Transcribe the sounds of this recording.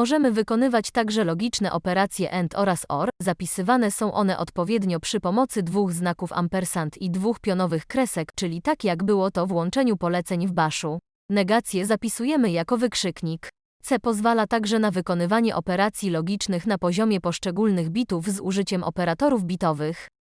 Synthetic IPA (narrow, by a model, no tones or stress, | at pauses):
mɔʐɛmɘvɘkɔnɘvat͡ɕt̪aɡʐɛlɔɡʲit͡ʂnɛʔɔpɛɾat̪sʲjɛʔɛnt̪ʰɔɾasɔ̰ɾzapʲisɘvanɛsɔ̃w̃ʔɔn̪ɛʔɔt̪pɔvʲjɛd̪ɲɔpʂɘpɔmɔt̪sɘd̪vuɣznakufa̰mpɛɾsant̪id̪vuxpʲjɔnɔvɘxkɾɛsɛkt͡ʂɘlʲit̪akjaɡbɘwɔt̪ɔvwɔnt͡ʂɛɲupɔlɛt̪sɛɲvbaʂu | nɛɡat̪sʲjɛzapʲisujɛmɘjakɔvɘkʂɘkɲik | t̪sɛpɔzvalat̪aɡʐɛnavɘkɔn̪ɘvaɲɛʔɔpɛɾat̪sʲjilɔɡʲit͡ʂnɘxnapɔʑɔmʲjɛpɔʂt͡ʂɛɡulnɘɣbʲit̪uvzṵʐɘt͡ɕɛmʔɔ̰pɛɾat̪ɔɾuvbʲit̪ɔvɘx